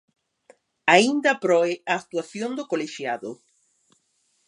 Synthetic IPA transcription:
aind̪apɾoeaːk̚t̪waθjond̪okoleʃjaðo

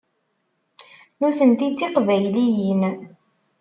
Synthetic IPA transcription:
nuθənt̪it͡sːiqvæjlijən

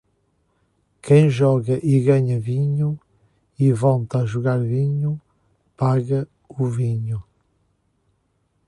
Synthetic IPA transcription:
kʰẽj̃ʒɔɣɐʔiɣaɲɐviɲu | ivɔlˠt̪aʒuɣaɾviɲu | paɣɐ | uviɲu

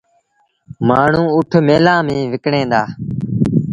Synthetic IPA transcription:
maːɳ̤ũːʊʈʰmeːlãːmĩːʋɪkɳẽːd̪aː

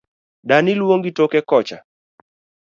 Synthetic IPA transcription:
danilwoŋɡitokɛkɔt͡ʃa̰

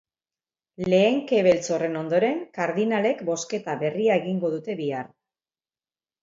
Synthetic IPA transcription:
le̞ːŋke̞βe̞lt͡so̞re̞no̞nd̪o̞ɾe̞ŋkaɾðinale̞kbo̞ske̞t̪aβe̞riae̞ɣiŋɡo̞ð̞ut̪e̞βiaɾ

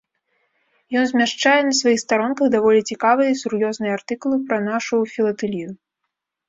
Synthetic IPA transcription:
jɔnzʲmʲaʂt͡ʂajɛnɐsvajixst̪aɾɔnkɐɣd̪avɔlʲit͡sʲikavɨjɐisurjɔznɨjɐart̪ɨkulˠɨpɾɐnaʂufʲilˠɐt̪ɨlʲinu

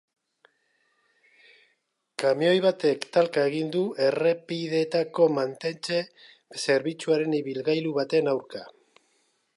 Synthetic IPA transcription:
kameo̞jβat̪e̞kt̪alkae̞ɣind̪ue̞repiðe̞t̪ako̞mant̪e̞nt͡ʃe̞ | se̞ɾβit͡suaɾe̞niβilɣajluβat̪e̞nawɾka

